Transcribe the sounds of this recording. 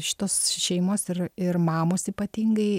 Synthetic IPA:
ʃʲɪ̥t̪oːsʃʲɛɪmoːsɪrɪrmɑːmoːsiːpɐt̪ʲiːŋɡɐɪ

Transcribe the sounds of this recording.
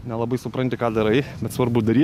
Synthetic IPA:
nʲɛlˠɐbɐɪsʊpɾɐnʲt̪ʲɪkɑːd̪ɐɾɐɪbʲɛt̪sʋɐrbʊd̪ɐɾʲiː

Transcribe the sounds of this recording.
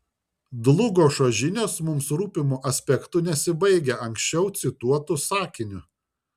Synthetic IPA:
d̪lˠʊɡoːʃɐʒʲɪnʲoːsmʊmsɾuːpʲɪmuʔɐsʲpʲɛkt̪ʊnʲɛsʲɪbɐɪɡʲɛʔɐŋʲksʲt͡ʃʲɛʊt̪sʲɪt̪uɔt̪ʊsɑːkʲɪnʲʊ

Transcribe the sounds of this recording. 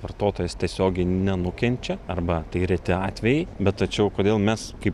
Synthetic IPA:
ʋɐrt̪oːt̪oːjɛst̪ʲiɛsʲoːɡʲɛɪnʲɛnʊkʲɛnʲt͡ʃʲɛɐrbɐt̪ɐɪɾʲɛt̪ʲɪɑːt̪ʲʋʲɛjɛɪbʲɛt̪t̪ɐt͡ʃʲɛʊkoːd̪ʲeːlˠmʲɛskɐɪp

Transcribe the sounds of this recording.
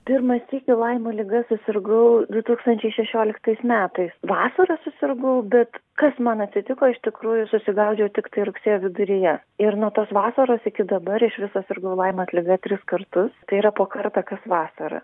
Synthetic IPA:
pʲɪrmɐst̪ʲiːkʲɪlˠɐɪmoːlʲɪɡɐsʊsʲɪrɡɐʊd̪ʊt̪uːkst̪ɐnʲt͡ʃʲɛɪʃʲɛʃʲoːlʲɪkt̪ɐɪsmʲæːt̪ɐɪsʋɑːsɐɾɐsʊsʲɪrɡɐʊbʲɛt̪kɐsmɐnɐt̪ʲsʲɪt̪ʲɪkoːɪʃt̪ʲɪkɾuːjʊsʊsʲɪɡɐʊd͡ʒʲɛʊt̪ʲɪkt̪ɐɪɾʊksʲeːjoːʋʲɪd̪ʊɾʲɪjɛ | ɪɾnuɔt̪oːsʋɑːsɐɾoːsɪkʲɪd̪ɐbɐɾɪʃʋʲɪsɐsʲɪrɡɐʊlˠɐɪmɐt̪ʲlʲɪɡɐt̪ʲɾʲɪskɐrt̪ʊst̪ɐɪiɾɐpoːkɐrt̪ɐːkɐsʋɑːsɐɾɐ̰

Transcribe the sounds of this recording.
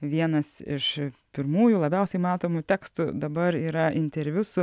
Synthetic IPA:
ʋʲiɛnɐsɪ̰ʃpʲɪɾmuːjʊlˠɐbʲɛʊsʲɛɪmɑːt̪oːmʊt̪ʲæːkst̪ʊd̪ɐbɐɾiːɾɐʔɪnʲt̪ʲɛɾʲʋʲʊsʊ

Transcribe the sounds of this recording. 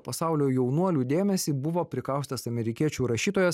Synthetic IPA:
pɐsɑˑʊlʲoːjɛʊnuɔlʲuːd̪ʲeːmʲɛsʲiːbʊʋoːpʲɾʲɪkɑˑʊsʲt̪ʲɐsɐmʲɛɾʲɪkʲiɛt͡ʃʲuːɾɐʃʲiːt̪oːjɛs

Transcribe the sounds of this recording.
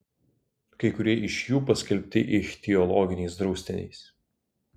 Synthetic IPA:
kɐɪkʊɾʲiɛʔɪʃjuːpɐsʲkʲɛlʲpʲt̪ʲɪʔɪxʲt̪ʲiɔlˠɔːɡʲɪnʲɛɪsd̪ɾɒʊsʲt̪ʲɪnʲɛ̰ɪs

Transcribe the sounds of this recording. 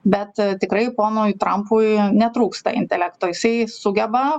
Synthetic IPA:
bʲɛt̪t̪ʲɪkɾɐɪpoːnujt̪ɾɐmpʊjnʲɛt̪ɾuːkst̪ɐɪ̰nʲt̪ʲɛlʲɛkt̪oːjɪsɐɪsʊɡʲɛbɐ

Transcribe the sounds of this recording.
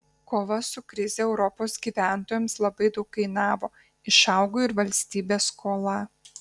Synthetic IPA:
koːʋɐsʊkɾʲɪzʲeɛʊɾɔpoːsɡʲiːʋʲæˑnt̪oːjɛmslˠɐbɐɪd̪ɒʊkːɐɪnɑːʋoː | ɪʃɑˑʊɡoːɪɾʋɐlʲsʲt̪ʲiːbʲeːskʰoːlˠɐ

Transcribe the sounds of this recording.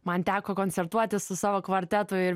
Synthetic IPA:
mɐnt̪ʲæːkoːkoːnʲtsʲɛɾt̪uɔt̪ʲɪssʊsɑːʋoːkʋɐɾʲt̪ʲɛt̪ʊɪɾ

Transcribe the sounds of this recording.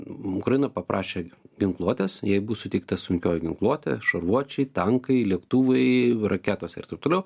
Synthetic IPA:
ʊkɾɐjɪnɐpɐpɾʔɑːʃʲeːɡʲɪŋklˠuɔt̪ʲeːsjɛɪbʊsʊtʲɛɪk̚t̪ɐsʊŋʲkʲoːjɛɡʲɪŋklˠuɔt̪ʲḛʃɐrʋuɔt͡ʃʲɛɪt̪ɐŋkɐɪlʲiɛkt̪uːʋɐɪrʔɐkʲæːt̪oːsʲɛɪ̰rt̪ɐɪp̚t̪oːlʲɛʊ

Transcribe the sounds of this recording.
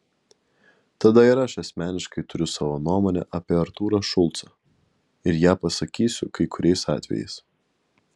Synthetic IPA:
t̪ɐd̪ɐiːɾɐʃɐsʲmʲæːnʲɪʃkɐɪt̪ʊɾʲʊsɑːʋoːnuɔmoːnʲɛ̰ʔɐpʲeːɐɾt̪uːɾɐʃʊlˠt̪sɐ | ɪɾjæːpɐsɐkʲiːsʲʊkɐɪkʊɾʲɛɪsɑ̰ːt̪ʲʋʲɛ̰jɛ̰ɪs

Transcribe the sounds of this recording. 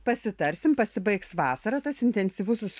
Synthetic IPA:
pɐsʲɪt̪ɐɾʲsʲɪmpɐsʲɪbɐɪksʋɑːsɐɾɐt̪ɐsɪnʲt̪ʲɛnʲsʲiʋʊsʊs

